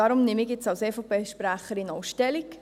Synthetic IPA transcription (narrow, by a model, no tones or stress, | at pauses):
ɑɾʊmnɪmikjɪt͡sɑwseːfopeːʃpɾæχəɾinowʃtɛlik